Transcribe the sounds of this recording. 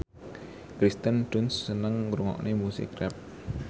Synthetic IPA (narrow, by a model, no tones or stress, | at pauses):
kɾist̪əndʊnsːənəŋɾuŋɔ̰ʔnʔemusɪ̰krɛp̚